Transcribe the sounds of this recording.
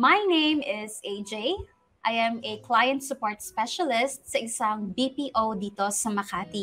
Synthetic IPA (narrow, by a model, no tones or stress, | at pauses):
mɐjnẽɪmɪzeɪd͡ʒej | ʔajɐ̃mɛklajɐ̃nt̪sʊpoɹt̪spɛʃɐlɪst̪̚sɐʔɪsɐŋbipiːʔowd̪iːt̪osɐmɐkaːt̪i